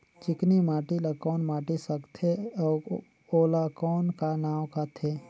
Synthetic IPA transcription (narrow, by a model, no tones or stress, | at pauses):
t͡ʃɪknimaːʈilakɔːnmaːʈisəkt̪ʰeɔː | oːlakɔːnkanaːwkat̪ʰeː